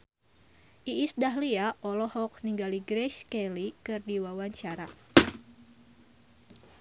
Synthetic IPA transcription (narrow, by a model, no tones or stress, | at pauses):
ʔiisdaɦliaʔɔlɔhɔk̚niŋɡaliɡɾɛʃkɛlikɨrdiwawaɲt͡ʃaɾa